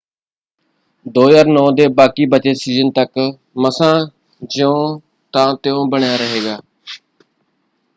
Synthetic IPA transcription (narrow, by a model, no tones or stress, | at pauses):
d̪oːjaːɾnɔ̃ːd̪eːbaːkiːbət͡ʃesiːzənt̪ək | məsãː | d͡ʒɪõː | t̪ãːt̪ɪjõːbəɳjaːɾəɦeːɡaː